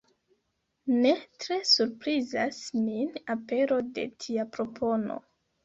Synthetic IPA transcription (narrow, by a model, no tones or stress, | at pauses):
ne̞tɾe̞suɾpɾizasminape̞ɾo̞de̞̰tʰiapɾo̞pʰo̞no̞̰